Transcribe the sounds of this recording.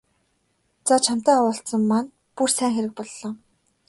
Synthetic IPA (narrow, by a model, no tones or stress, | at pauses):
t͡sat͡ɕʰam̥t̪æːwʊːɬt͡sə̆mːan | pursæːŋxeɾɘ̆k̚pɔɮːɔː